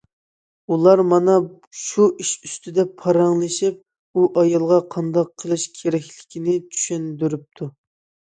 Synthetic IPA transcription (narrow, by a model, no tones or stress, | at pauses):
ulˠɑɾmɑnɑ | ʃuʔiʃyst̪ʰyd̪ɛpʰːɑɾɑŋlˠɨʃip̚ | uʔɑjɑlˠʁɑqʰɑnd̪ɑqʰːəlˠɨʃkʲʰeɾɛkʲlɪ̥kʲʰinɪt͡ʃʰy̥ʃynd̪yɾyp̚t̪ʰu